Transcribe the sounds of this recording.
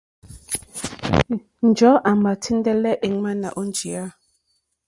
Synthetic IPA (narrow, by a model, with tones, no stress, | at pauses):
n̩˨d͡ʒɔ˨˦ʔa˨ma˨tʰi˦n˦dɛ˦lɛ˦ʔe˨ŋma˦na̰˨ʔo˦n˨˦d͡ʒi˨a˦